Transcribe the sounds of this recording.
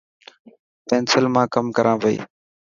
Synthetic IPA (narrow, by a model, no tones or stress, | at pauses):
pɛ̃ːnsəlmãːkəmkəɾʔãːʋəḭː